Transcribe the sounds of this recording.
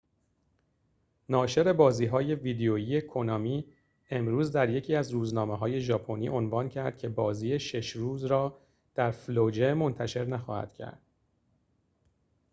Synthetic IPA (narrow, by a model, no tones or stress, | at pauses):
nɒːʃe̞ɾe̞bɒːziːɦɒːje̞viːd̪eoiːje̞kʰonɒːmiː | e̞mɾuːzd̪æɾje̞cʰiːæzɾuːznɒːmeɦɒːje̞ʒɒːpʰo̞niːʔo̞nvɒːncʰæɾd̪̥cʰe̞bɒːziːje̞ʃe̞ʃɾuːzɾɒː | d̪̥æɾflod͡ʒe̞mo̞nt̪ʰæʃe̞ɾnæxɒ̰ːhæ̰d̪̥cʰæ̰ɾd̪̥